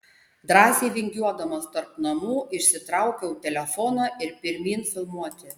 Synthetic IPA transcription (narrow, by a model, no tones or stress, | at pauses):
d̪ɾɑːsʲeːʋʲɪŋʲɡʲuɔd̪ɐmɐst̪ɐɾpnɐmuːʔɪʃʲsʲɪt̪ɾɑˑʊkʲɛʊt̪ʲɛlʲɛfɔːnɐːʔɪɾpʲɪɾʲmʲiːnfʲɪlˠmuɔt̪ʲɪ